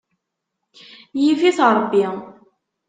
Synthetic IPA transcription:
jiviθɾˤəbːi

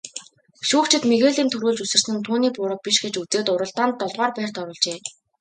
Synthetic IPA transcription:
ʃuːkt͡ɕʰɪ̆t̪meɣeːɮiːnt̪ʰɵɾuːɮt͡ɕusɘ̆r̥sɘ̆nt̪ʰuːniːpʊɾə̆k̚piʃɡet͡ɕut͡seːt̪ʊɾə̆ɬt̪aːnt̪ːɔɮʁaːrpæːrt̪ɔɾʊːɮt͡ɕeː

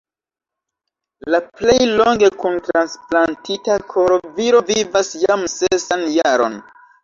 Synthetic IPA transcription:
laple̞jlo̞ŋɡe̞kuntɾansplantitakʰoɾo̞viɾo̞vivasjamsesanjaɾo̰n

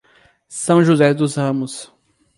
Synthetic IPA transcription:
sɐ̃w̃ʒuzɛd̪ʊzhɐ̃mʊs

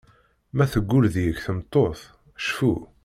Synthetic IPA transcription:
mæθəɡʷːʊɾðjəkθəmt̪ˤːoθ | ʃfu

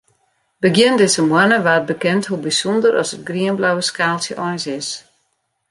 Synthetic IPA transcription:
bəɡjɪndɪsəmwanəʋaːt̚bəkɛnthubisɔndərʔɔ̰sət̚ɡriənblawəskaːlˠsjəʔɔjnsɪs

